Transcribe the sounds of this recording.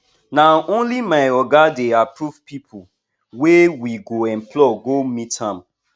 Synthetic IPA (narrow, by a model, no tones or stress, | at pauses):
naʔõnlimaɪɔɡadeapɹuvpipʰu | wewiɡoɛ̃mplɔɡomitãm